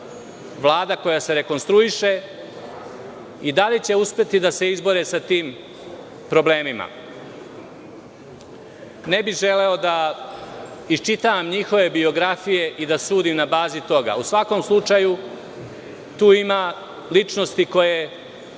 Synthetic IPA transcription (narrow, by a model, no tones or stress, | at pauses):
ʋlaːd̪ako̞jase̞ɾe̞ko̞nst̪ɾuiʃe̞ | id̪alit͡ɕe̞uspje̞t̪id̪ase̞izbo̞ɾesat̪iːm | pɾo̞ble̞ːmima̰ | ne̞biʒe̞le̞od̪a | ist͡ʃit̪aʋamɲixo̞ʋe̞bio̞ɡɾafije̞ʔid̪asuːd̪imnabaːzit̪o̞ɡa̰usʋako̞mslˠut͡ʂaju | t̪uːima | lit͡ʂno̞st̪iko̞je̞